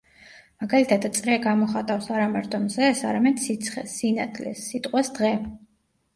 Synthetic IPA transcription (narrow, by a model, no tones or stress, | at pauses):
maɡalit̪ʰad̪t̪sʼɾɛɡamɔχat̪ʼafsaɾamaɾt̪ʰʼɔmzɛsa̰ɾamɛd̪̥sit̪sʰχɛ̰sːina̰d̪ʰlɛ̰sːit̪ʼqʼwɛsd̪̥ʁɛ